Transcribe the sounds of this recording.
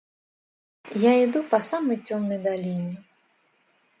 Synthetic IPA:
jaid̪upɐsamɐjt͡sʲɔmnɐjd̪alʲinʲɛ

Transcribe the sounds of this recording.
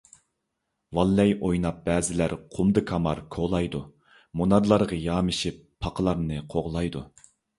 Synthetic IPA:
wɑlːɛjʔojnɑp̚b̥ɛːzɪlæɾqʰʊmd̪ɨkʰɑmɑɾkʰolˠɑjd̪u | munɑɾlˠɑɾʁɑjɑːmɨʃipʰːɑqʰəlˠɑɾnɨqʰoʁlˠɑjd̪u

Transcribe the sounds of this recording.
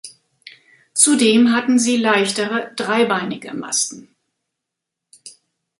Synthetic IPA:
t͡sudeːmɦatn̩ziːlaɪçtəʁədʁaɪbaɪnɪɡə̰ma̰stn̩

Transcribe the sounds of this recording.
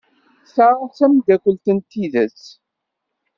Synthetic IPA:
saɾasæmd̪ækʷəlt̪ənt̪ːiðæs

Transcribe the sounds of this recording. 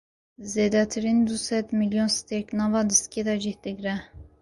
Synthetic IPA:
zeːd̪ɛt̪ʰɨɾind̪usɛt̪miljonst̪ɛknɑːvɑːd̪isked̪ɑd͡ʒihd̪ɨɡɾɛ

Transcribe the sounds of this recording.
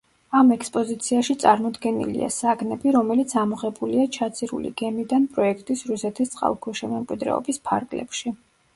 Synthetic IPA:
amɛkspʼɔzit̪sʰiaʃit̪sʼaɾmɔd̪ɡɛnḭlḭa̰saɡnɛbiɾɔmɛlit̪sʰamɔʁɛbuliat͡ʃʰat̪sʰiɾṵlḭɡ̥ɛmid̪anpʼɾɔɛkʰt̪ʼisɾusɛt̪ʰist̪sʼqʼa̰lˠkʰɔʃɛmɛmkʼwid̪ɾɛ̰ɔ̰bispʰa̰ɾɡlɛ̰pʃi

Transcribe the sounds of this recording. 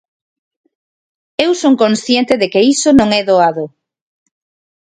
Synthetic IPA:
ewsoŋkonsθjent̪ɪðekeisonõŋɛðoaðʊ

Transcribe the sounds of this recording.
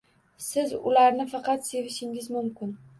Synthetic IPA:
sɪzʊ̰laɾnɪfɑqɑt̪se̞vɪʃɪŋɪzmʊmkʲɪn

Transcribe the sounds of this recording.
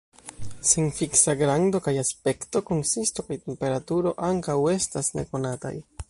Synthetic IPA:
senfiksaɡɾaŋdo̞kajaspe̞kto̞ko̞nsisto̞kajte̞mpe̞ɾatuɾo̞ʔaŋkawe̞stasne̞̰ko̞nata̰j

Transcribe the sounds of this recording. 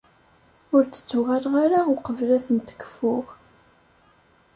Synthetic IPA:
ʊɾt͡sə̥t͡sːuɣælʁaɾauqəvlæθənt̪ə̥ɡə̥fʊʁ

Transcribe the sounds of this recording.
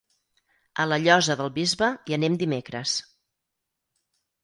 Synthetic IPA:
ə̰ləʎɔzəðəlˠβizβəiənemd̪imekɾəs

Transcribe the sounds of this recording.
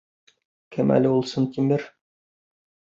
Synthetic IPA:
kʰɘmæ̰lɘulˠsɤnt̪imɘɾ

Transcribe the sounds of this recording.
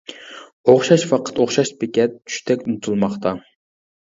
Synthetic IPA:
oχʃɑʃfɑqʰə̥t̪oχʃɑʃpɪkʲɛt̪̚t͡ʃʰy̥ʃt̪ʰɛkʲnut̪ʰɨlˠmɑχt̪ʰɑ

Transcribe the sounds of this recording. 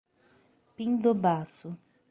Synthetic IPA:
pind̪obaːsu

